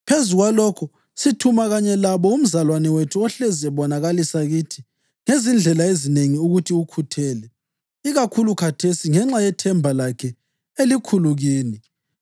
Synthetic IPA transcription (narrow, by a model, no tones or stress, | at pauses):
pʰezuɣwalɔkʰɔ | sitʰumaɣaɲɛlaβɔum̩zalwanɛwetʰuɔɬɛzɛβɔnaɣalisaɣiːtʰi̥ | ŋezind͡ɮʱɛlaezineŋiuɣutʰiukʰutʰɛːlɛ | iɣakʰulukʰatʰesiŋɛŋ͡ǁajɛtʰɛmbʱalakʰɛ | elikʰuluɣiːni